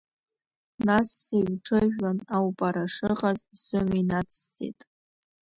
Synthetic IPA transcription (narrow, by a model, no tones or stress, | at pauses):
nasːiɥʷʈ͡ʂʰɨʒᶣlanawpʼaɾaʂɨqʼazsɨminat͡sʰːt͡sʰʼḭtʼ